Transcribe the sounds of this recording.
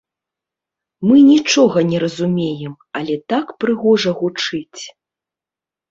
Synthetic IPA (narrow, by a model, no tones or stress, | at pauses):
mɨnʲit͡ʂɔɣɐnʲɛɾɐzumʲejɛm | ɐlʲɛt̪akpɾɨɣɔʐɐɣut͡ʂɨt͡sʲ